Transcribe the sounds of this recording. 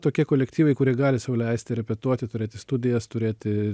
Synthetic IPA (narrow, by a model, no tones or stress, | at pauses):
t̪oːkʲiɛkoːlʲɛkt̪ʲiːʋɐɪkʊɾʲiɛɡɑːlʲɪsɑʋoːlʲɛɪsʲt̪ʲɪɾʲɛpʲɛt̪uɔt̪ʲɪt̪ʊɾʲeːt̪ʲɪst̪ʊd̪ʲɪjɛst̪ʊɾʲeːt̪ʲɪ